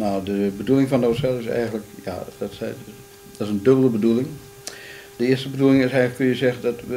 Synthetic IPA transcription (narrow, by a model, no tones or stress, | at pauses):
nawdəbədulˠɪŋfɔndosɛlˠɪsɛ̰jɣən̩ləkja̰dɔtsɛ | d̥ɔtɪsəndøbəlˠəbədulˠɪŋ | d̥əɪəstəbədulɪŋɪsɛjləkønjəzɛɣəndɔtʋə